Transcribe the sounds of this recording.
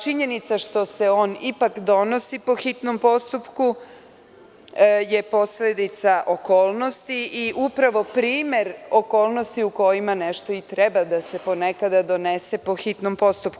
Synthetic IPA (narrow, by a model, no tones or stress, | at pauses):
t͡ʃiɲe̞nit̪saʃt̪o̞se̞o̞ːnipakd̪o̞no̞sipo̞xit̪no̞mpo̞st̪upku | je̞po̞sled̪it̪saʔo̞ko̞ːlˠno̞st̪iʔiʔupɾaʋo̞pɾiːme̞ɾo̞ko̞ːlˠno̞st̪iuko̞jimaneʃt̪o̞it̪ɾebad̪ase̞po̞ne̞kad̪ad̪o̞nese̞po̞xit̪nompo̞st̪up̚ku